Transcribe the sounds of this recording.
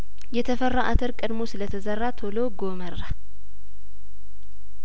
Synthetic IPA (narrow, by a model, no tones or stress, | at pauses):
jɛt̪ʰəfərːaʔat̪ʰəɾkʼɨd̪mosɨlət̪ʰəzərːat̪ʰoloɡomərːa